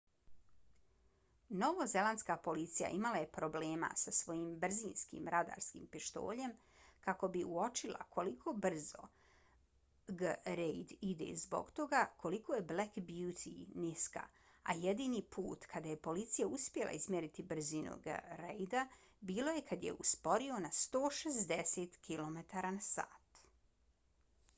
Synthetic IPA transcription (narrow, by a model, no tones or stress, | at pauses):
no̞ʋoze̞lˠant̪skapo̞lit̪sija̰ʔimalaje̞pɾo̞ble̞ːma̰sasʋo̞jimbr̩ziːnskḭmɾʔad̪a̰ːɾskḭmpiʃt̪o̞̰ːʎe̞m | kako̞biuo̞t͡ʃilˠa̰kʰo̞likʰo̞br̩zo̞̰ | ɡɾejd̪id̪ḛzbo̞̰ɡt̪o̞ɡakʰo̞liko̞je̞blekbjut̪ʰiniska̰ | a̰jed̪inipṵːt̪kʰad̪aje̞po̞lit̪sijauspje̞lˠa̰izmjeɾit̪ibr̩zinṵɡə̰ɾejd̪abiːlo̞je̞kad̪jḛʔuspo̞ɾio̞nast̪o̞ːʃezd̪eseːt̪kilˠo̞met̪aɾanasa̰ːt̪